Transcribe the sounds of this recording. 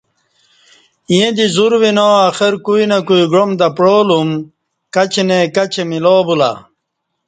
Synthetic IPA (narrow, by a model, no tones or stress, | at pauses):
jẽd̪izuɾwinoːaxeɾkuinɐkuiɡɾomd̪ɐpɾoːlum | kɐt͡ɕenekɐt͡ɕemiloːbula̰